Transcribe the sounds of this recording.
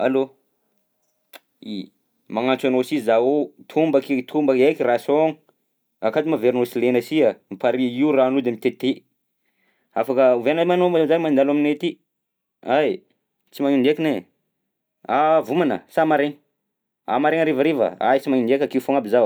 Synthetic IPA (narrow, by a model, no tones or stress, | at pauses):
a̰lo | i | maŋant͡sanosizzaut̪ʰumbakt̪ʰumbəkekirasoŋ | akad̪imaveɾnosilenəsiamipaɾiiuranud̪emit̪et̪e | afakəuvenamanozanimand̪alaminet̪i | aj | t͡simaɲunekine | avumanə̰samaɾeŋ | a̰maɾeŋaɾevəɾevə̰a̰jt͡simaɲunekʲakeufoŋabizaw